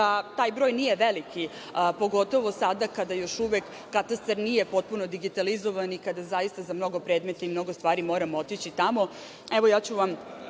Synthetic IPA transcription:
at̪aːjbɾo̞ːjnije̞ʋeliki | po̞ɡo̞t̪o̞ʋo̞sad̪akad̪ajo̞ʃuʋekːat̪ast̪aɾnijepo̞t̪̚puno̞d̪iɡit̪alizoʋanikad̪azajist̪azamno̞ɡo̞pɾe̞ːd̪met̪aimno̞ɡost̪ʋaːɾimo̞ːɾamot̪it͡ɕit̪amo̞ | ɛʋo̞jaːt͡ɕuʋam

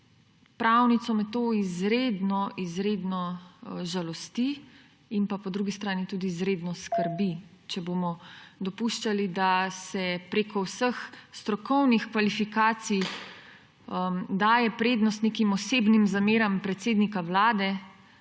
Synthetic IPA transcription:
pɾawnit̪sɔmɛt̪ːoːizɾeːd̪nɔʔizɾed̪nɔʒalɔst̪i | inpapɔd̪ɾuɡist̪ɾaːnit̪uːd̪iːzɾeːd̪nɔskəɾbit͡ʃɛboːmɔd̪ɔpuʃt͡ʃalid̪asɛpɾeːkɔwsəxst̪ɾɔkɔwnixkʋalifikaːt̪sij | d̪aːjɛpɾeːd̪nɔst̪nekimɔseːbnimzameːɾampɾɛt̪seːd̪nikawlaːd̪ɛ

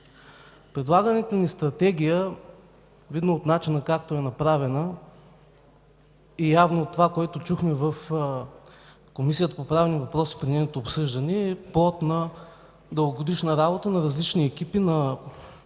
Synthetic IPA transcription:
pɾɛd̪lˠaɡənɛt̪onist̪ɾɐt̪ɛɡ̟ʲijə | vid̪nəot̪nat͡ʃinəkakt̪oɛnɐpɾavɛnə | ijavnoːt̪ːovakoɛt̪ot͡ʃuxmɛvəf | komisijət̪ə̥popɾavɛnivɐpɾɔsi̥pɾinɛnot̪oːpsɤʒd̪ɐniɛplˠɔt̪nɐ | d̪əlˠɡoɡod̪iʃnɐɾabot̪ənɐɾɐzlit͡ʃniɛkipinɐ

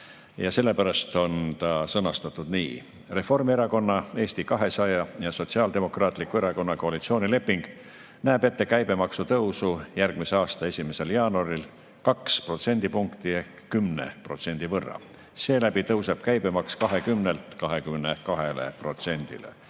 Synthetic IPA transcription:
jɑse̞lːepæɾɑst̪o̞nt̪ɑsɤnɑst̪ɑt̪ːˑud̪̥nḭː | re̞fo̞rmieɾɑko̞nːɑe̞ːst̪ikɑɦe̞sɑjɑjɑso̞t̪siɑːld̪e̞mo̞krɑːt̪ˑlikːˑue̞ɾɑko̞nːɑko̞ɑlit̪sio̞ːnile̞pːiŋɡ̥ | næːb̥e̞t̪ːe̞kæjbe̞mɑksut̪ɤwsujærɡ̥mise̞ɑːst̪ɑe̞sʲimese̞ljɑːnuɑɾil | kɑkspro̞t̪se̞nd̪̥ipuŋkt̪iehkkymnḛpro̞t̪se̞nʲd̪̥ivɤrːɑ̰ | se̞ːlæb̥it̪ɤwse̞b̥̚kæjb̥e̞mɑkskɑɦe̞kymne̞lt̪kɑɦe̞kymne̞kɑɦe̞le̞̰pro̞t̪se̞nʲd̪̥ḭlḛ

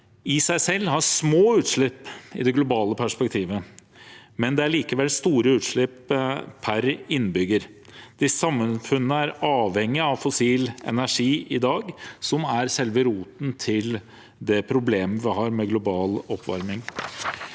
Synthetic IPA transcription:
ɪsæɪsɛlːhɑʂmoːʉːt̪ʂɭɪpːɪ̰d̪ɛɡlʊbɑːləpʰæʂpɛk̚t̪ʰiːʋə | mɛnd̪ɛæɭiːkəʋɛlst̪uːɾəʉːt̪ʂɭɪppʰæɾɪnbʏɡəɾ | d̪̥ɪssɑmːənfʉnːəæɾɑːʋhɛŋːɪɑʋfʊsiːlɛ̰næʂiːʔɪd̪ɑːɡsɔmæɾsɛlʋəɾuːt̪n̩t̪ʰɪl | d̪ɛpʰɾʊbleːmʋɪhɑːɾmɛɡlʊbɑːlɔpʰːʋɑ̰ɾmɪŋ

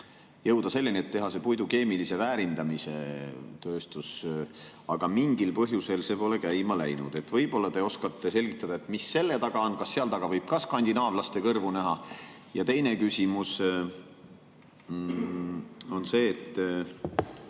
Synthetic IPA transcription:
jɤwd̪̥ɑse̞lːinʲiet̪ːe̞ɦɑse̞pujd̪uke̞ːmilise̞væːɾind̪ɑmise̞̰t̪øːst̪us | ɑɡ̥ɑmiŋɡilpɤɦjuselse̞ːpo̞le̞kæjmɑlæjnṵd̪̥e̞t̪vɤjb̥o̞lːɑt̪e̞o̞skɑt̪ˑːe̞se̞lʲɡ̥it̪ːˑɑd̪̥ɑe̞t̪ˑmisːe̞lːe̞t̪ɑɡ̥ɑonkɑsːeɑlt̪ɑɡ̥ɑvɤjb̥̚kɑskɑnʲd̪̥inɑːvlɑst̪e̞kɤrvunæɦɑjɑt̪e̞jne̞kysimus | o̞nse̞ːt̪ˑː

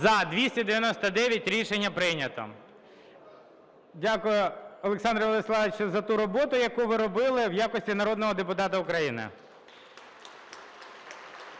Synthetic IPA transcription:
zɐd̪ʋʲisʲtʲɐd̪eʋʲjɐnɔst̪ɐd̪ɛʋʲjɐtʲɾʲiʃenʲːɐpɾɪnʲɐt̪ɔ̰ | dʲakʊjʊɔlˠeksɑnd̪ɾɐʋɔlˠeslˠɑʋet͡ʃʊzɐt̪uɾɔbɔt̪ʊjɐkuʋɪɾɔbɪlˠɪwjakɔsʲtʲinɐɾɔd̪nɔɦɔd̪epʊt̪ɑt̪ɐʊkɾɐjinɪ̰

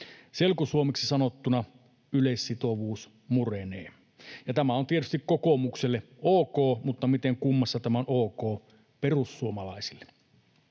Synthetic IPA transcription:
selkusuomeksisɑnot̪ːunɑ | ylesːit̪oʋuːs | murenḛː | jɑt̪æmæont̪iet̪yst̪ikkokomukselːe | ʔoːkoːmut̪ːɑmit̪eŋkumːɑsːɑt̪æmæonoːkoː | perusːuomɑlɑisilːe̥

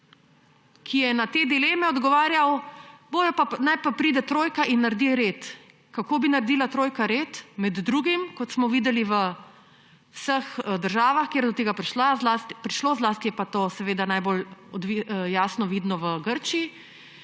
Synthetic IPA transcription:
kʰijɛnat̪ed̪ileːmɛɔd̪ɡɔʋaːɾjawboːd̪ɔpanajpapɾiːd̪ɛt̪ɾoːjkaʔinːaɾd̪iɾeːt̪ | kakoːbinaɾd̪iːlat̪ɾoːjkaɾeːt̪mɛd̪ːɾuːɡimkɔt̪smɔʋiːd̪ɛliʋə | wsəxd̪əɾʒaːʋaxkeːɾd̪ɔt̪eɡapɾiʃlazlaːst̪ipɾiʃloːzlaːst̪ijɛpat̪oːsɛʋeːd̪anajbolɔd̪ʋijaːsnɔʋiːd̪nɔʋəɡəɾt͡ʃii

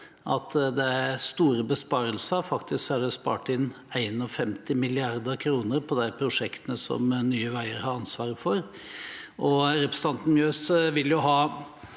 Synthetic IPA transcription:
ʔɑt̪ʰd̪ɛæɾst̪uːɾəbəspɑːɾəlsəfɑkt̪ʰɪsksæɖɛspɑ̰ːʈɪn | æɪnɔfɛmt̪ɪmɪlɪɑɾd̪əɾkʰɾuːnəɾpʰɔd̪æɪpʰɾʊʂɛkt̪ənəsɔ̰mnyːəʋæɪəɾhɑɾɑnsʋɑːɾəfɔɾ | ʔɔɾɛpɾəsət̪ʰɑnt̪n̩mjøːsʋɪljʊɦɑː

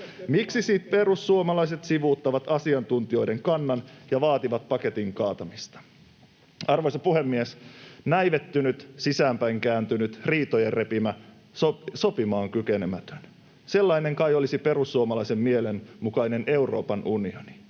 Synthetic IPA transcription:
miksisiːt̪̚pe̞ɾusːuomɑlɑjs̬e̞t̪siʋuːt̪ːɑʋɑt̪ɑsiɑnt̪unt̪io̞jde̞ŋkɑnːɑnjɑʋɑːt̪iʋɑt̪̚pɑke̞t̪iŋkɑːt̪ɑmist̪ɑ̥ | ɑrʋojsɑpuhe̞mːiesnæjʋe̞t̪ːynyt̪sisæːmpæjŋkæːnt̪ynyt̪riːt̪ojerre̞pimæ | soso̞pimɑːŋkyk̟ene̞mæt̪ø̥n | se̞lːɑine̞ŋkɑjo̞lisipe̞ɾusːuomɑlɑise̞mːiele̞nmukɑjne̞ne̞uro̞̰ːpɑnʔunioni̥

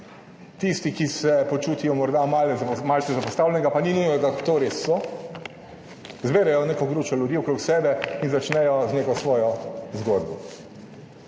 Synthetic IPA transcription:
t̪ist̪ikisɛpɔt͡ʃuːt̪ijɔmɔɾd̪amalɛzmalt̪ɛzapɔst̪aːwlʲɛnɛɡapaninujnɔd̪at̪oɾesːɔ | zbeːɾɛjɔneːkɔɡɾuːt͡ʃɔljud̪iːɔkɾoksɛːbɛinzat͡ʃnɛjɔzneːkɔsʋɔːjɔzɡod̪bɔ

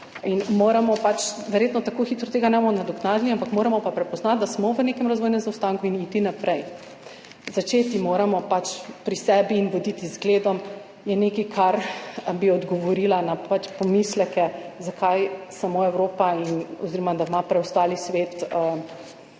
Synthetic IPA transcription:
inmoɾamɔpat͡ʃʋɛɾjeːt̪nɔt̪akoxiːt̪ɾɔt̪eːɡanɛbomɔnad̪ɔknazniampakmoːɾamɔpapɾɛpɔznat̪̚d̪asmɔʋənekɛmɾɐzʋɔjnɛmzawst̪aŋkuiniːt̪inapɾɛj | zat͡ʃeːt̪imoːɾamɔpat͡ʃpɾisɛbiːnʋɔd̪it̪izɡleːd̪ɔm | jɛnekikʰaɾbiɔd̪ɡɔʋɔɾilanapat͡ʃpɔmislɛkɛzakʰajsamoːɛwɾoːpainɔ̰ziɾɔmad̪amapɾɛwst̪alisʋet̪ə

